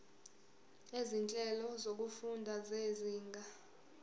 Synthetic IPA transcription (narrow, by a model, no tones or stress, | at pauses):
ezint͡ɬʼɛlɔzok̬ufundʱazeziːŋɡʱa